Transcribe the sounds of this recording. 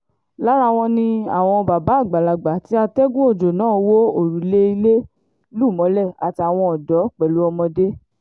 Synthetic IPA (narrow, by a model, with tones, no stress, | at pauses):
la˦ɾa˦˧w̃ɔ̃˧nĩ˧a˨w̃ɔ̃˧ba˨ba˨˦˨ɡ͡ba˨la˨ɡ͡ba˨ti˨˦a˧tɛ˦ɡũ˦o˦˨d͡ʒo˨nãː˦˨˧wo˦o˦˨ɾu˨˦le˦i˧le˦ | lu˦˨mɔ̃˨˦lɛ˦˨a˨ti˧a˨w̃ɔ̃˧ɔ˨dɔ˨˦k͡pɛ˨lu˨˦ɔ˧mɔ̃˧de˦